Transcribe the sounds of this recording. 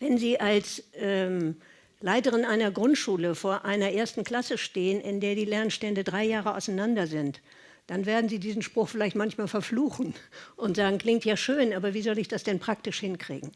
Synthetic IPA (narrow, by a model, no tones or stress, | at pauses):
vɛnziːʔalsʔɛːm | laɪtəʁ̞ɪnʔaɪnɐɡʁʊntʃuːləfoːɐʔaɪnɐʔeːɐstn̩kl̥asəʃteːənʔɪndeːɐdiːlɛɐnʃtɛndədʁaɪjaːʁəʔa̰ʊsaɪnandɐzɪnt | d̥anveːɐdn̩ziːdiːzn̩ʃpʁ̥ʊχfɪlaɪçtmançmaːlfɛɐfluːxn̩ʔʊntz̥aːɡŋ̩kl̥ɪŋk̚tjaːʃøːnʔaːbɐviːzɔlɪçd̥asd̥ɛnpʁ̥ak̚tɪʃhɪnkʁ̥ḭːɡŋ̩